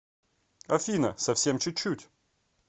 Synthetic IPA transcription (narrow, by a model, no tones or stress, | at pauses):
ɐfʲinəsɐfsʲemt͡ɕʊt͡ɕːutʲ